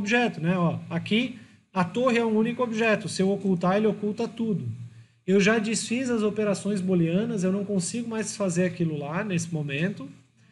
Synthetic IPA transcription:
obiʒɛt̪ʊnɛɔaki | ɐt̪oɦɪɛũũnikʊobiʒɛt̪ʊsɪewokuwt̪aelɪokulwt̪ɐt̪ud̪ʊ | ewʒad͡ʒisfizɐzopeɾasõj̃zboliɐ̃nɐz̬ewnɐ̃w̃kõsiɡʊmajzfazeɾakilʊlanesɪ̥momẽnt̪ʊ

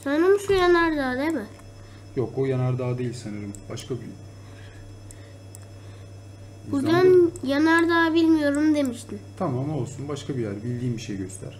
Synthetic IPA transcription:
sonɾamuʃujanaɾd̪aːd̪emɪ | jokojanaɾd̪aːd̪ejilʲsanɯɾɯmb̥aʃkabi | buɾd̪anjanaɾd̪aːbilʲmijo̞ɾumd̪e̞miʃt̪ʰint̪ʰamamo̞lˠsunbaʃkʰabijæɾbilʲd̪iːmbiʃejɟøst̪ʰæ̰ɾ̥

